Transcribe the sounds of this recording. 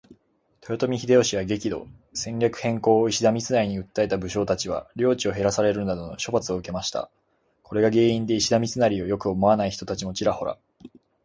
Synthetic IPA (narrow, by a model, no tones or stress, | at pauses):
t̪ojot̪o̞mʲiçid̪e̞o̞ɕiβaɡe̞kʲid̪o̞̰sẽ̞ɲɾʲakɯ̟̥hẽ̞ŋko̞ːiɕid̪amʲit͡sɨnaɾʲiɲ̟iɯ̟t̪ːaet̪abɯ̟ɕo̞ːt̪at͡ɕiβ̞a̰ɾʲo̞ːt͡ɕio̞ɦe̞ɾasaɾe̞ɾɯ̟nad̪o̞no̞ɕo̞pat͡sɨoɯ̟ke̞maɕi̥t̪a̰ | kʰo̞ɾe̞ɡaɡe̞ːĩnd̪e̞iɕid̪amʲit͡sɨnaɾʲio̞jo̞kɯ̟omo̞anaiçi̥t̪o̞t̪at͡ɕimo̞t͡ɕiɾaho̞ɾa̰